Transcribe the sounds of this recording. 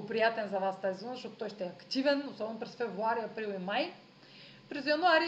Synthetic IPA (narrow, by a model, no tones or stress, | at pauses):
opɾijat̪ɛnzɐvast̪aziznzɐʃɔt̪ot̪ɔjʃt̪ɛɛɐkt̪ivɛnosɔbɛnopɾɛsfɛvɾuaɾiɐpɾilˠimaj | pɾɛzjanuaɾi